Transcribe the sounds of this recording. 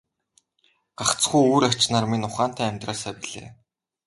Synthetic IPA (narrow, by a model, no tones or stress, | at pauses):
ɢ̥aχt͡sχujuːɾat͡ɕnaːrminʊχaːn̥t̪æːmʲt̪raːsaːpiɮḛː